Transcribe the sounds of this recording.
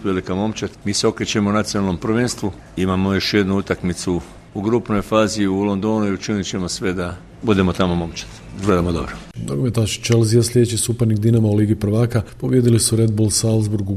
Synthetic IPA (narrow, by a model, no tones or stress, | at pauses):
ʋe̞likamo̞mt͡ʃat̪miːseo̞kɾet͡ɕe̞mounat̪sijonalno̞mpɾʋeːnst̪ʋu | imamojo̞ʃje̞d̪nuut̪akmit̪su | uɡɾupno̞jfaːziulˠond̪o̞nuiut͡ʃinit͡ɕemosʋe̞d̪a | bud̪e̞mot̪amo̞mo̞mt͡ʃḁt̪ | ɡle̞d̪amod̪o̰bɾo | d̪oɡomet̪aʃt͡ʃe̞lzijaslʎʲe̞d̪et͡ɕisupeɾniɡd̪inamauliːɡipɾ̩ʋaːkapo̞ʋje̞d̪ilisuɾe̞d̪̚bolˠsalˠzbuɾɡu